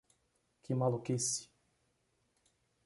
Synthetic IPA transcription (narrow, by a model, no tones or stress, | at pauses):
kɪmalukesi̥